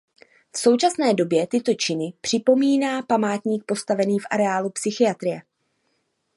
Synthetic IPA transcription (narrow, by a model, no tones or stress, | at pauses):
fso̞wt͡ʃasnɛːdo̞bjɛt̪ɪt̪o̞t͡ʃɪnɪpr̥ɪpo̞miːnaːpamaːt̪ɲiːk̚po̞st̪avɛniːfʔa̰ɾɛaːlupsɪxɪjat̪ɾɪjɛ